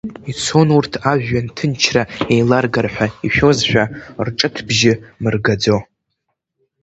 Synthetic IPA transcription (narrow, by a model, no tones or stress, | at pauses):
it͡sʰo̞nurtʰaʒᶣʷːantʰɨnt͡ʃʰraejlarɡarħʷᶣaiʃᶣo̞zħᶣarʈ͡ʂʼɨtʰbʒɪmɨrɡad͡zo̞